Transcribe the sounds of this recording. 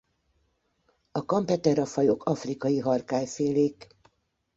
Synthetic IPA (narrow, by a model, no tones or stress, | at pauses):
ɒkɒmpɛt̪ɛɾɒfɒjo̞kʰɒfrikɒjiɦɒrkaːjfeːleːk